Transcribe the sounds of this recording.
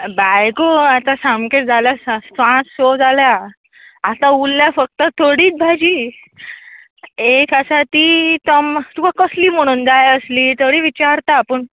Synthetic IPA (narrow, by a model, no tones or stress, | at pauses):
bajkoat̪ãsamkeʈ̚d͡zʱaljasasãt͡ssod͡zʱaljaː | t̪ãulːjafək̚t̪ət̪ʰoɽiːt͡s̚bʱad͡ʑiː | ekasat̪iːt̪əmt̪ukakəsliːm̤əɽ̃uːnd͡zajəsliːt̪ʰoɽiːʋit͡ɕaɾt̪apəɳ